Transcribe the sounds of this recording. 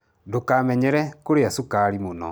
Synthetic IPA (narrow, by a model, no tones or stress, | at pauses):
dokamɛɲɛɾɛkoɾeasukaɾimonɔ̰